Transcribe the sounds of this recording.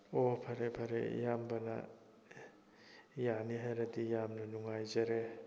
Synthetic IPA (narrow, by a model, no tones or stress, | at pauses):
opʰaɾepʰaɾḛjambana̰ | janiɦajɾadijamnunuŋajzaɾe